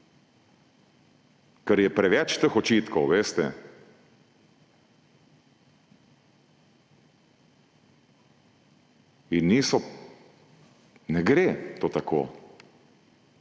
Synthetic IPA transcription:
kəɾjɛpɾɛʋɛt͡ʃt̪əxɔt͡ʃit̪kɔwʋeːst̪ɛ | inisɔ | nɛɡɾet̪ot̪akʰo̰

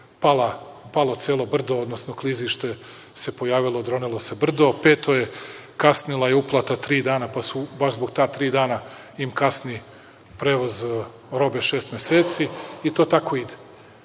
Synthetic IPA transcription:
palapalˠo̞t̪seːlˠobr̩d̪ood̪nosnokliziʃt̪e̞ | sepojaːʋilˠo̞d̪ɾonilˠose̞br̩d̪o̞peːt̪o̞jekasnilˠaiuplˠat̪at̪ɾiːd̪aːnapasubaʃzbo̞ɡ̚t̪aːt̪ɾiːd̪aːna | imkasni | pɾeːʋoz | ɾo̞beʃeːst̪mjeseːt̪siit̪ot̪ako̞id̪e̥

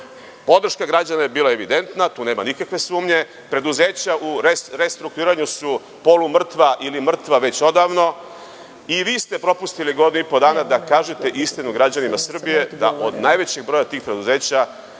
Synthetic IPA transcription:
po̞d̪r̩ʃkaɡɾad͡ʑanajebiːlˠae̞ʋid̪e̞nt̪nat̪uːneːmanikakʋe̞suːmɲe̞ | pɾe̞d̪uze̞ːt͡ɕauɾɾest̪ɾuk̚t̪uiːɾaɲusu | po̞lumr̩t̪ʋaʔilimr̩t̪ʋaʋe̞t͡ɕo̞d̪aʋno̞ | iʋiːst̪e̞pɾo̞pust̪iliɡo̞d̪inuipo̞d̪aːnad̪akaːʒet̪e̞ʔist̪inuɡɾad͡ʑanimasr̩bije̞d̪a̰ʔod̪najʋe̞t͡ɕe̞ɡ̚bɾo̞jat̪iːxpɾe̞d̪uze̞ːt͡ɕa

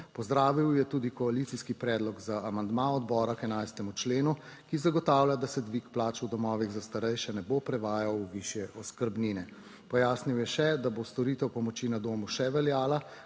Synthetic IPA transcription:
pɔzd̪ɾaːʋiwjɛt̪uːd̪ikɔalit̪siskipɾɛːd̪lɔɡzaamand̪maɔd̪bɔːɾakɛnajst̪ɛmut͡ʃleːnu | kizaɡɔt̪aːwlʲjad̪asɛd̪ʋikplaːt͡ʃwd̪ɔmɔːʋiɣzast̪aɾɛjʃɛnɛbopɾɛʋaːjawʋiʃjɛʔɔskəɾbniːnɛ | pɔjaːsniwjɛʃɛd̪abost̪ɔɾiːt̪ɛwpɔmɔt͡ʃinad̪oːmuʃɛʋɛljaːla

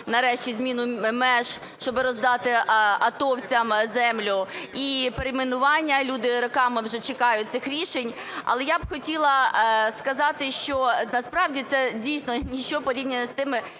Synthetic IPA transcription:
nɐɾɛʃt͡ʃʲizmʲinʊmɛʒ | ʃt͡ʃɔbɪɾɔzd̪ɑt̪ɪɐt̪ɔwt͡sʲɐmzɛmlʲʊipeɾemenʊʋɑnʲːɐlʲud̪ɪɾɔkɑmɪwʒɛt͡ʃɪkɑjʊt̚ʲt̪sɪxɾʲiʃenʲ | ɐ̰lˠɛjabxɔtʲilˠɐskɐzɑt̪ɪʃt͡ʃɔnɐspɾɑwdʲit̪sɛdʲijsʲnɔnʲiʃt͡ʃɔpɔɾʲibnʲɛɛst̪ɪmɪ

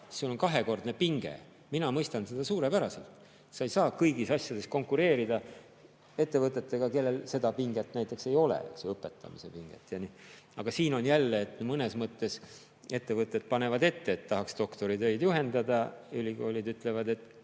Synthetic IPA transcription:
sulo̞nkɑɦe̞ko̞rd̪nepiŋɡ̥ḛ | minɑmɤjst̪ɑnsed̪̥ɑsuːɾe̞pæɾɑse̞̰lt̪ | sɑejsɑːkɤjɡisɑsʲjɑd̪e̞sko̞ŋkuɾe̞ːɾid̪̥ɑ | e̞t̪ːe̞vɤt̪ːˑe̞t̪ːe̞ɡ̥ɑke̞lːe̞lse̞d̪ɑpiŋɡ̥et̪ːnæjt̪ːˑe̞kse̞jo̞lḛseɤpːˑe̞t̪ːˑɑ̰misepiŋɡ̥ḛt̪ːˑjɑni | ɑɡ̥ɑsiːno̞njælːeːt̪ːmɤnesmɤt̪ːe̞s | e̞t̪ːe̞vɤt̪ːˑe̞d̪̚pɑne̞vɑd̪e̞t̪ːeːt̪ːɑɦɑkst̪o̞kt̪o̞ɾit̪ø̞jd̪juɦe̞nd̪ɑd̪ɑylʲiɡ̥o̞ːlʲid̪yt̪ːˑle̞vɑd̪e̞t̪ːˑ

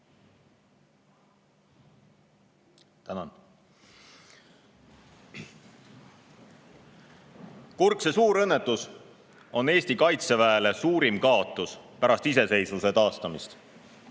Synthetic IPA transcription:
t̪ænɑn | kurksesuːɾɤ̞nːe̞t̪ːˑus | o̞nːe̞ːsʲt̪ikɑjt̪se̞væele̞suːɾimkɑot̪ːˑuspæɾɑst̪ise̞se̞jsluse̞t̪ɑːst̪ɑmist̪

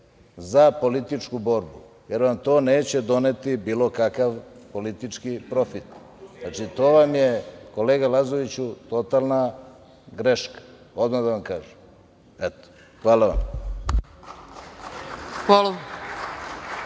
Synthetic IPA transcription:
zapo̞lit̪it͡ʂkubo̞ɾbu | je̞ɾʋamt̪o̞ːne̞ːt͡ɕed̪o̞ne̞t̪ibiːlo̞kakaʋpo̞lit̪it͡ʂkipɾo̞fit̪ | znat͡ʂit̪o̞ːʋamjeko̞leːɡalazoʋit͡ɕut̪o̞t̪alˠna | ɡɾeʃkḁ | o̞d̪mad̪aʋamkaːʒem | ɛt̪o̥ | xʋaːlaʋa̰m | xʋalˠa

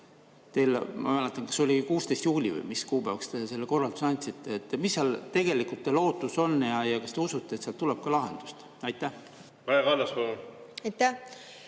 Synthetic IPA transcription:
t̪e̞jlmɑ̰mælet̪ːˑɑnkɑ̥sːo̞lʲikuːst̪e̞jst̪juːlʲivə̰jmiskuːbævɑkst̪e̞se̞lːeko̞rːɑlt̪u̥sɑnʲd̪ʲsit̪ːˑeet̪ːmisːɑlt̪e̞ɡ̥e̞likult̪ːelo̞ːt̪ːˑuso̞nːjɑjɑkɑst̪e̞usut̪ˑːet̪seɑlt̪ulɛb̥̚kɑlɑɦe̞̰nd̪̥u̥st̪ | ɑjt̪ːˑæh | ɑjkɑlːɑspɑluɑjt̪ːæ

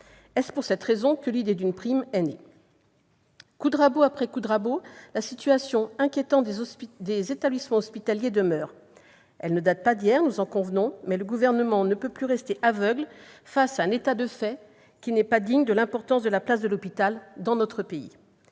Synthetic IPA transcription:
ɛspuʁsɛt̪χezɔ̃kəlid̪ed̪ynpχimɛne | kud̪ʁaboapχɛkud̪ʁabolasit̪yasjɔ̃ɛ̃kʲjet̪ɑ̃t̪d̪ezet̪ablismɑ̃ɔspit̪aljed̪əmœːʁ | ɛlnəd̪at̪̚pad̪ijɛʁnuzɑ̃kɔ̃vnɔ̃mɛləɡuvɛʁnəmɑ̃nəpøplyʁɛst̪eʔavœɡlfasaɛ̃net̪ad̪əfɛ | kʲinɛpad̪iɲd̪əlɛ̃pɔʁt̪ɑ̃sd̪əlaplas̬d̪əlɔpit̪ald̪ɑ̃nɔt̪χəpeḭ

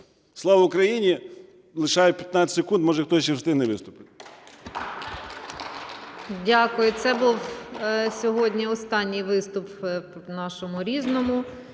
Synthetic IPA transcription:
slˠɑʋɐʊkɾɐjinʲi | lˠɪʃɑjɛpʲjɐt̪nat͡sʲɪsʲekund̪mɔʒɛxt̪ɔt͡ʃɛwst̪ɪɦnɛʋɪst̪ʊpɪt̪ʲ | dʲakʊjʊt̪sɛbuw | sʲɔɦɔdʲnʲiɔst̪ɑnʲːijʋɪst̪ʊpnɑʃɔmʊɾʲiznɔmʊ

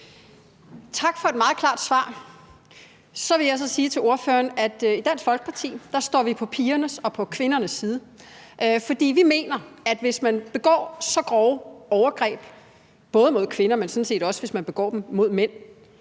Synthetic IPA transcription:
t͡sʰɑ̈ɡ̥fɒ̽e̝d̥mɑ̈ːð̩ˠkʰlɑ̈ːd̥sʋɑ̰̈ː | sɒ̽ʋe̝ljɑ̈ɪs̬ɒ̽siːt͡sʰe̝lo̝ɐføːɐnæd̥id̥æn̰sɡ̥fɒ̽lɡ̥ə̥pʰɑ̈t͡sʰḭːd̥ɑ̈sd̥ɒ̰ːʋipʰɒ̽pʰiːɐnəsɒ̽pʰɒ̽kʰʋe̝nɐnəsːiːð̞ˠə | ʔfɒ̽d̥ḭːʋime̝̰ːnɐæd̥ʋe̝smænb̥e̝ɡ̥ɒ̰ːsɒ̽ɡ̥ʁɒʊɒʊɐɡ̥ʁɛ̰ːb̥ | b̥ɔ̽ːð̞ˠəmo̝ðˠkʰʋe̝nɐmensɔ̽n̩se̝̰ːd̥ɒ̽səʋe̝smænb̥e̝ɡ̥ɒ̰ːd̥mmo̝ð̞ˠmen̰

